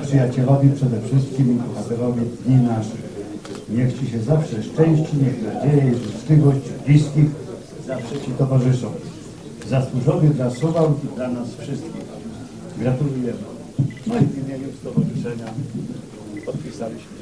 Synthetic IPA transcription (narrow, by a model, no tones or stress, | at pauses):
pʂɨjat͡ɕɛlɔvʲipʂɛd̪ɛfʂɘst̪̚kʲimɡxat̪ɛɾlɔvʲjid̪ɲinaʂɘ | ɲɛxt͡ɕɛɕɛzafʂɛʂt͡ʂɛ̃w̃ɕt͡ɕiɲɛxnad͡ʑejɛʐut̪slʲivɔɕt͡ɕblʲiskʲix | zafʂɛɕɛt̪ɔvaʐɘʂɔ̃w̃ | zaswuʐɔvʲjid̪lasuvawid̪lanasfʂɪst̪kʲix | ɡɾat̪ulujɛmɘ | nɔvʲimʲjeɲust̪ɔvɔʐɨʂɛɲa | pɔt̪̚pʲisalʲiɕmɘ